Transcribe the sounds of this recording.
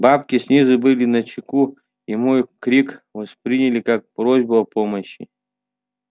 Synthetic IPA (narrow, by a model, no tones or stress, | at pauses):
bapkʲɪsʲnʲizɨbɨlʲɪnɐt͡ɕɪku | imojkɾʲikvɐspɾʲinʲɪlʲɪkak̚pɾozʲbʊɐpomɐɕːɪ̰